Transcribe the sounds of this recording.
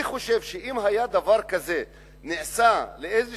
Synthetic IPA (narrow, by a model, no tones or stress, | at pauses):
iχo̞ʃe̞vʃeʔimɦajad̪avaʁkaze̞ | niʕsaleejz